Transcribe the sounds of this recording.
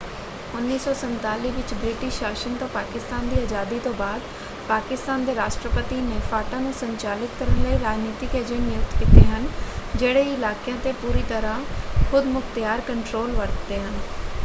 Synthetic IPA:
ʊnːiːsɔːsɐ̃nt̪aːliɦʋɪt͡ɕbɾɪːʈɪʃaːʃənt̪õpaːkɪst̪aːnd̪iːaːzaːd̪it̪obaːd̪ | paːkɪst̪aːnd̪eɾaːʃʈɾəpət̪inẽfaːʈanẽsɐ̃ɲt͡ɕaːlɪt̪kɐɾənləeɾaːd͡ʑniːt̪ikʰeːd͡ʑeːnɪjʊkt̪kɪt̪eɦɐnɪ̆d͡ʑeːɽeiɪlaːkjãt̪epuːɾit̪ɐɾãxʊd̪mʊxt̪jaːɾkɐ̃ɳʈɾoːlʋɐɾt̪eɦɐnɪ̆

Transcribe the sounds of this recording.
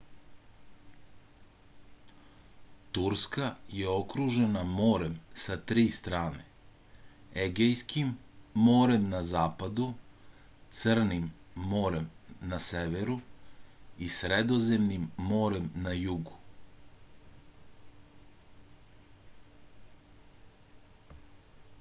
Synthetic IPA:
t̪uɾskajeo̞kɾuʒe̞namo̞ːɾemsat̪ɾiːst̪ɾaːnḛ | eɡejskimːo̞ːɾe̞mnazaːpad̪u | t̪sr̩nimː | o̞ːɾemnaseʋeɾu | isɾed̪o̞ze̞mnimːo̞ːɾemnajuɡu

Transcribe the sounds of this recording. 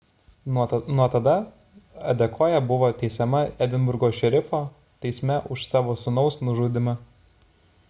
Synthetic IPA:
nuɔt̪ɐd̪ɐ | ɐ̰d̪ʲɛkʰoːjɛbʊʋoːt̪ʲɛɪsʲɛmɐɛd̪ʲɪnbʊɾɡoːʃʲɛɾʲɪfoː | t̪ʲɛɪsʲmʲɛʔʊʃsɑːʋoːsʊnɔʊsnʊʒuːd̪ʲɪmɐ

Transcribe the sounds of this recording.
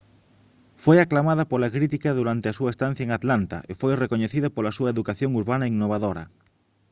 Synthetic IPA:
fojaklamað̞apolakɾit̪ikaðuɾant̪easuaest̪an̟θjaeŋat̪lant̪a̰ʔefojrekoɲeθiðapolasuaeðukaθjoŋuɾβ̞anaiŋnoβ̞aðoɾa̰

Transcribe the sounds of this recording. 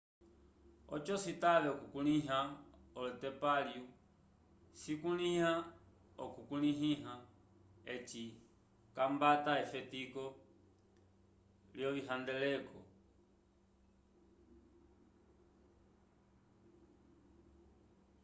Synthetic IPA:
ɔ̰t͡ʃɔsitalɛɔkukuniɦaɔlɔtɛpalju | sikuniha | ɔkukuniɦiɦa | ɛt͡ʃi | kambataɛfɛtikɔ | ljɔliɦandɛlɛkɔ

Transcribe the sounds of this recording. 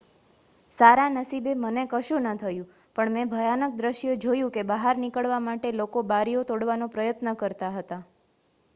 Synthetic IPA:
saɾanəsibemənekəʃũnət̪ʰəjũ | pəɳmɛ̃bʱəjanək̚d̪ɾəʃjod͡ʒojũkebaɦaɾnikəɭʋamaʈelokobaɾijot̪oɽʋanopɾəjət̪nəkəɾt̪aɦət̪a

